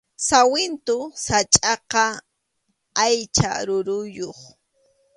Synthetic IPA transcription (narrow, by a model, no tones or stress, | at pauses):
sawɪnt̪ʊsat͡ʃʼɑqɑ | ajt͡ʃa̰ɾʊɾʊjoχ